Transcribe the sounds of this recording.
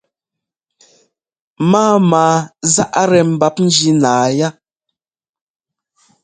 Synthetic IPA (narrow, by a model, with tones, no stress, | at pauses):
maː˦maː˨˦za˦ʔa˦ɾɛ˨m̩˨ba˦p̚n̩˦d͡ʒi˦naː˨ja˦